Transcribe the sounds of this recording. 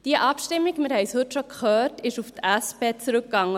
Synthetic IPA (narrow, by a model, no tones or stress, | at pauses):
d̥iəʔɑpʃtɪmːiɡmɪɾhɛɪshɵtʃokχœːtɪʃuftʔæspeːt͡sɾɵkɡ̥ɑŋːə